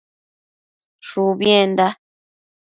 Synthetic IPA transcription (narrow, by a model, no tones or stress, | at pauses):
ʃubjɛnda